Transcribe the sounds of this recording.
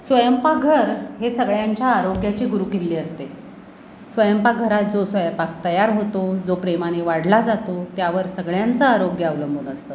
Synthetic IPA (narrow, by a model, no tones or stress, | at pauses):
sʋəjəmpaɡʱəɾɦesəɡɭjaɲt͡ɕjaːɾoɡjat͡ɕiːɡuɾuːkelːiːəst̪e | sʋəjəmpaɡʱəɾat̪̚d͡zosʋəjəmpak̚t̪əjaɾɦot̪od͡zopɾemaniʋaɽlad͡zat̪ot̪jaʋəɾsəɡɭjant͡səaɾoɡjəaʋləmbʱunəst̪ə